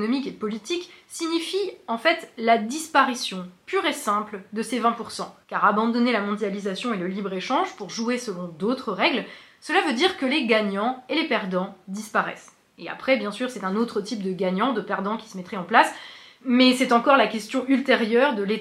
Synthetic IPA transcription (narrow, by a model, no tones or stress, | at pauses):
nɔmikepɔlit̪iksiɲifiɑ̃fɛt̪lad̪ispaʁisjɔ̃pyʁesɛ̃pld̪əsevɛ̃puʁsɑ̃kaʁabɑ̃d̪ɔnelamɔ̃d̪jalizasjɔ̃eləlibʁeʃɑ̃ʒpuʁʒuesəlɔ̃d̪ot̪χəʁɛɡlsəlavød̪iʁkəleɡaɲɑ̃elepɛʁd̪ɑ̃d̪ispaʁɛ̰s | ea̰pχɛbjɛ̃syʁsɛt̪ɛ̃not̪χət̪ip̚d̪əɡaɲɑ̃d̪əpɛʁd̪ɑ̃kʲi̥səmɛt̪χɛɑ̃plas | mɛsɛt̪ɑ̃kɔʁlakʲɛst̪jɔ̃ʔylt̪eʁjœʁd̪əle